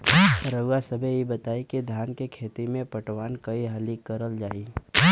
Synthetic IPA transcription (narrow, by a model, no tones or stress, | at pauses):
ɾəasəbʱejibɐt̪aːikid̪ʱjaːnkekʰeːt̪imẽpɐʈʋaːnkɐiɦalikːɐɾəld͡ʒaːiː